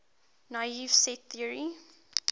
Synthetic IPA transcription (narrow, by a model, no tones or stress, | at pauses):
naɪivsɛt̪θiəɹi